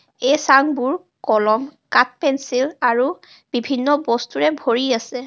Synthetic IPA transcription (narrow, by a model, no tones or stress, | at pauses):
ejsaŋbuɹ | kɔlɔmkat̚pɛnsilaɹu | b̥ibʱinːɔbɔstuɹɛbʱoɹiasɛ